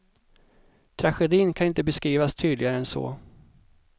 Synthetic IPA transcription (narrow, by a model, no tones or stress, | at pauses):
t̪ʰɾaɧɛd̪iːnkʰanɪnt̪əbɛskɾiːvast̪ʰyːd̪lɪɡaɾəɛnsɔ̰ː